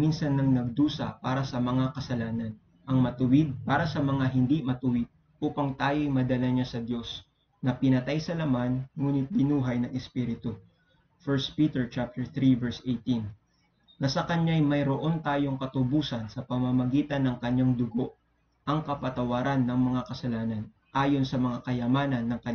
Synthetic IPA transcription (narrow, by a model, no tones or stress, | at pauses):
minsɐnːɐŋnɐɡ̚d̪uːsɐ̰paːɾɐsɐmɐŋakɐsɐlaːnɐn | ʔɐŋmɐt̪ʊwɪd̪̚paːɾɐsɐmɐŋaɦɪnd̪imɐt̪ʊwɪd̪̚ | ʔuːpɐŋt̪aːjo̞jmɐd̪ɐlɐɲasɐd̪jo̞s | nɐpɪnɐt̪ajsɐlɐmanŋuːnɪt̪̚bɪnuːɦɐjnɐŋɛspiɾɪt̪o | fɛɹst̪̚piːt̪ɛɹt͡ʃap̚t̪ɛɹθɾivɛɹsʔejt̪in | nɐsɐkɐɲajmɐjɾoʔo̞nt̪aːjo̞ŋkɐt̪ʊbuːsɐnsɐpɐmɐmɐɡiːt̪ɐnːɐŋkɐɲːaŋd̪ʊɡo̞ʔ | ʔɐŋkɐpɐt̪ɐwaːɾanːɐŋmɐŋakɐsɐlaːnɐn | ʔaːjo̞nsɐmɐŋakɐjɐmaːnɐnːɐŋkɐ